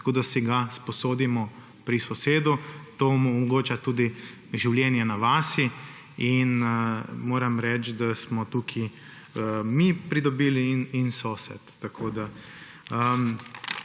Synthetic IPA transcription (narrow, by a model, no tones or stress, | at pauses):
t̪ḁkoːd̪asiɡaspɔsoːd̪imɔ | pɾisɔseːd̪ut̪oːmɔmɔɡoːt͡ʃat̪uːd̪i | ʒiwljɛːnjɛnaʋaːsi | in | moːɾɛmɾɛt͡ʃd̪asmɔt̪ukʰi | əmipɾid̪ɔbiːlininsoːsɛ̰t̪ːakʰoːd̪a | əm